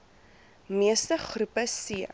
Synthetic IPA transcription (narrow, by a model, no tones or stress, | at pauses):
miəstəχrupəsi